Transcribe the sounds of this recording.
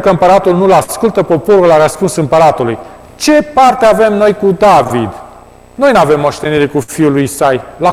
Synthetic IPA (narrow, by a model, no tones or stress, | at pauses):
kəɨmpəɾat̪ulnulaskult̪əpo̞po̞ɾullaɾəspunsɨmpəɾat̪uluj | t͡ʃe̞part̪eave̞mno̞jkud̪avid̪ | no̞jnave̞mːoʃt̪e̞niɾekufiulujisajla